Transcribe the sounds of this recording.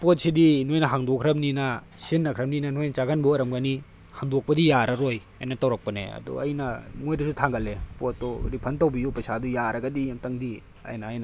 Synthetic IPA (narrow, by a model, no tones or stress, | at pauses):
pot̚sidinojnɐɦaŋdokʰɾɐmninɐsinːɐkʰɾɐm̚ninɐnojnɐt͡ʃaɡanbɐɾɐmɡani | haŋdok̚pɐdijaɾɐɾoj | ɐ̰jnɐtawɾɐk̚pɐnḛɐ̰dɔ̰ɐ̰jnɐmojdisutʰaŋɡɐlepotːɔɾipʰɐntawbijupɐsadujaɾʔɐɡɐdimtɐŋdi | ɐ̰jnɐːjnɐ